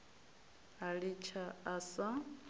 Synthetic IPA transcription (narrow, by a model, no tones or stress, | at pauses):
ɦaɺit͡ʃʰaːsa